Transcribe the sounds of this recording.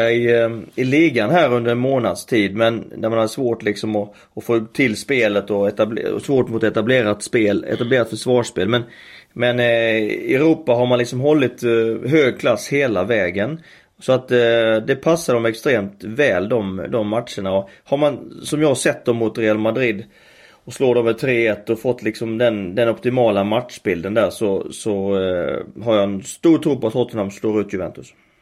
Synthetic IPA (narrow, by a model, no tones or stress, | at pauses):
aɪɪliːɡanɦæːɾɵnd̪əɾɛnmoːnad̪st̪ʰiːd̪mɛnd̪æɾmanhad̪əsvoːʈlɪksɔmɔ | ɔfoːt̪ʰɪlːspeːlət̪ɔɛt̪abl̰ɔ̰svoːʈmʊt̪ɔɛt̪ableːɾat̪speːlɛ̰t̪ableːɾat̪fœʂvɑːʂpeːlmɛn | mɛnɛɾuːpːaɦaɾmanlɪksɔmɦɔlːɪt̪ɦøːɡ̚kʰlasːheːlavɛːɡən | sɔat̪d̪ɛpʰasːadɔmɛkst̪ɾeːmt̪vɛːld̪ɔmd̪ɔmːat̪ʂəɳaɔhaɾmansɔmjɑːhaɾʂɛt̪̚ːd̪ɔmːʊt̪ɾɛalmad̪ɾɪd̪ | ɔsloːd̪ɔmvɪt̪ʰɾeːɛt̪ːɔfɔt̪ːlɪksɔmd̪ɛnd̪ɛnɔpt̪ɪmɑːlamat̪ʂbɪld̪ənd̪æːʂɔsɔ | ɦaɾjɑɛnst̪uːɾʈ̪ʰɾuːpɔat̪hɔt̪ːənamsloːɾʉ̟ːt̪ʰjɵvɛ̰nt̪ɵs